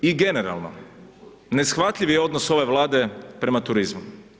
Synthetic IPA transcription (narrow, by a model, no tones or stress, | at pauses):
iɡe̞ne̞ɾa̰lˠno̰ | ne̞sxʋat̪ʎʲiʋjeo̞d̪noso̞ʋe̞ʋlˠaːd̪e̞pɾe̞mat̪uɾizmu